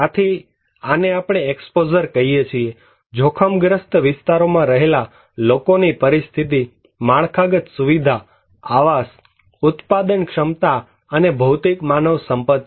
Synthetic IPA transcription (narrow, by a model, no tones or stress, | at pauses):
at̪ʰi | aneapɽ̃eːkspod͡ʒəɾkəɦijet͡ʃʰie | d͡ʒʱokʰəmɡɾəst̪ʋɪst̪aɾomãɾəɦela | lokonipəɾist̪ʰit̪̬i | maɳ̃kʰaɡət̪suʋid̪ʱa | aʋas | ʊt̪pad̪ənkʃəmt̪a | ənebʱəwt̪ikmanəʋsəmpət̪